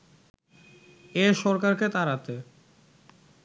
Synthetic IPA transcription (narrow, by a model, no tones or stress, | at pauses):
eʃɔɾkaɾket̪aɾat̪e